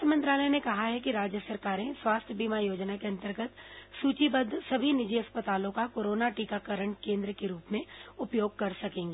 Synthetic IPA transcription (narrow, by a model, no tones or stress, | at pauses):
t̪ʰmɐ̃nt̪ɾaːlənekɐɦaɦɛkiɾaːd͡ʒjəsɐɾkaːɾẽswaːst̪ʰjəbiːmajoːd͡ʒnakeɐ̃nt̪əɾɡət̪suːt͡ʃibəd̪ʱːsɐbʱinɪd͡ʒiɐspət̪aːlõkakoːɾoːnaʈiːkakəɾəɳ̃kẽːnd̪ɾəkeɾuːpmẽʊpjoːɡ̚kɐɾsɐkẽːŋɡeː